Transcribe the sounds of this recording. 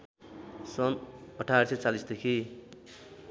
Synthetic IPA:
sʌnʌʈʰaɾset͡salisd̪ekʰi

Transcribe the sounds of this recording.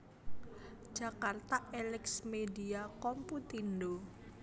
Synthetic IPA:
d͡ʒ̥akart̪aʔelɪksmediakɔmput̪indo

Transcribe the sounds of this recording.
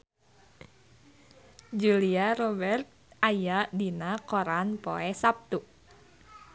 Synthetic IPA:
d͡ʒuliaɾɔbɛrt̪̚ajadinakɔɾanpo̰ɛsap̚t̪u

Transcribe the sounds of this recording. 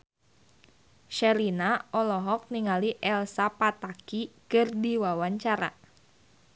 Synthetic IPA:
ʃɛlinaɔlɔɦɔk̚niŋaliʔɛlsapat̪akikɨrdiwawaɲt͡ʃaɾa̰

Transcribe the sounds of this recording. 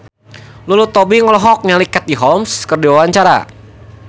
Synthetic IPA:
lulut̪ɔbiŋɔlɔɦɔk̚ɲalikat̪̚diɦɔmskərdiwawaɲt͡ʃaɾa̰

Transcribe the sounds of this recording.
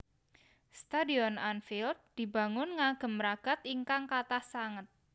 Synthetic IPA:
st̪adiɔnanfild̪̚d̪̥i̤ba̤ŋʊnŋaɡ̥ə̤mɾaɡ̥a̤t̪iŋkaŋkat̪ahsaŋət̪̚

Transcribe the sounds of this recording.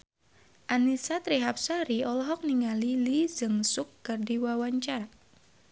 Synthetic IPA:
ʔanisat̪ɾiɦap̚saɾiɔlɔɦɔk̚niŋalilizɨŋsukːɨrdiwawaɲt͡ʃar

